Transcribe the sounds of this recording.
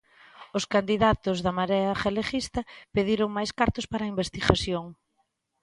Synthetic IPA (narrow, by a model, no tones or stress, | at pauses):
ʊskand̪iðat̪ʊzðɐmaɾeɐxelexist̪ɐpeðiɾoŋmajskaɾt̪ʊspaɾɐimbest̪iɣaθjoŋ